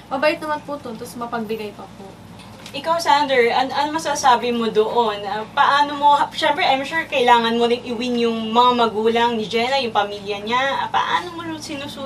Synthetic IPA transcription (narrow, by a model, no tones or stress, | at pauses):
mɐbaːjɪt̪nɐmɐnput̪ʊnt̪osmɐpɐɡ̚bɪɡɐjpɐpo | ʔɪkawsand̪ɛɹʔɐnʔɐnmɐsasaːbɪmod̪oʔonɐpɐʔaːnomo̞hʃɛmpɾɛʔajmʃuɹkɐʔɪlaːŋɐnmod̪ɪŋʔɪwɪnjʊŋmɐŋamɐɡuːlɐŋnɪd͡ʒɛnɐjʊŋpɐmiːljɐɲapɐ̰ʔa̰ːnomoʊsɪnusu